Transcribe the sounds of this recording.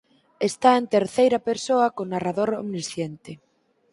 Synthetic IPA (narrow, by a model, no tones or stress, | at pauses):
est̪aent̪eɾθejɾɐpeɾsoɐkonaraðoɾo̰mnisθjent̪ɪ